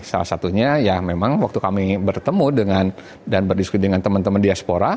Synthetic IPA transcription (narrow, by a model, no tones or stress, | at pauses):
sa̰lahsat̪uɲajamemaŋwak̚t̪ukamibərt̪əmudəŋan | danbərdiskidəŋant̪əmənt̪əməndiaspoɾa